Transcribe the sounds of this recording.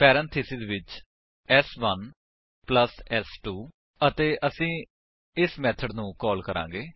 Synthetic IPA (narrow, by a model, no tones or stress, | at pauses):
pɛːɾə̃nt̪ʰiːsɪzʋɪt͡ʃ | ɛsʋən | pləsɛsʈuː | ət̪eːʔəsĩː | ɪsmɛːt̪ʰəɖnũːkɔːlkəɾã̰ːŋ̆ɡeː